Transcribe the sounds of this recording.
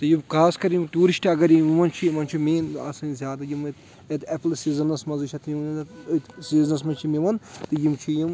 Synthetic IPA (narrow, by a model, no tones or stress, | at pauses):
t̪ɨjikʰaːskɐɾimʈuːɾiʃʈɐɡɐɾimiʋɐnt͡ʃʰimɐnt͡ʃʰimeːnɐ̰sɐnzʲjaːd̪ɐjimt̪ | ɐt̪eplsiːzɐnɐsmɐzɨʃʰɐt̪ʰmʲiɐnt̪siːznɐsmɐnt͡ʃʰimiʋɐnt̪ɨjimt͡ʃʰijim